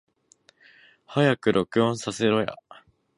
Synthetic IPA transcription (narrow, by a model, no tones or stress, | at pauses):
hajakɯ̟ɾʔo̞kɯ̟õɰ̃sase̞ɾo̞ja̰